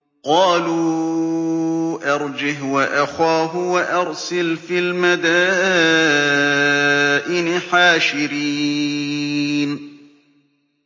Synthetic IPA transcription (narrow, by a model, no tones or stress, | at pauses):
qɑːluː | ʔɑɾˤd͡ʒɪɦwaʔaxaːɦʊwaʔɑɾˤsɪlfiːlmad̪aː | ʔɪnɪħaːʃɪɾiː | n